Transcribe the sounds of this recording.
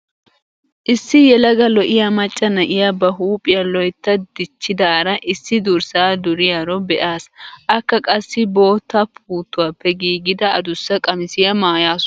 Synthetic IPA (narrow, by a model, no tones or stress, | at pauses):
ʔɪsːɪjɛlɐɡɐlɔʔɪjamɐt͡ʃʼːɐnɐʔɪjabɐɦuːpʼɪjɐlɔjt̪ːɐd̪̥ɪt͡ʃːɪd̪ɐːɾɐʔɪsːɪd̪ʊɾsaːd̪ʊɾɪjaɾɔbɛʔaːsʔɐkːɐkʼɐsːɪbo̞ːt̪ːɐpʰuːt̪ːʊwaːpːɛɡiːɡɪd̪ɐɐd̪ʊsːɐkʼɐmɪsɪjɐmaːjaːs